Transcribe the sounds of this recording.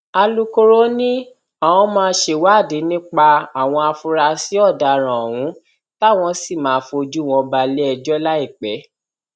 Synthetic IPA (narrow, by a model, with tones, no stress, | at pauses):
a˧lu˦ko˦ɾo˦nĩ˦ | ã˨w̃ɔ̃˧˦mãː˦˧˦ʃe˧˨wa˨˦˨de˨˦nĩ˦k͡pa˧a˨w̃ɔ̃˧a˧fu˧ɾa˧si˨˦ɔ˦˨da˨ɾ̃ã˨wũ˨˦ | ta˦˨w̃ɔ̃˧si˦˨mãː˨˦˧fo˧d͡ʒu˦w̃ɔ̃˧ba˧le˦ɛ˧d͡ʒɔ˦la˦i˦˨k͡pɛ˨˦